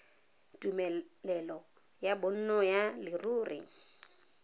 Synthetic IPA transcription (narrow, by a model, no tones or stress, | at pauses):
tʼumɛlɛlɔ | jabʊn̩nɔjalɪruːrɪ̰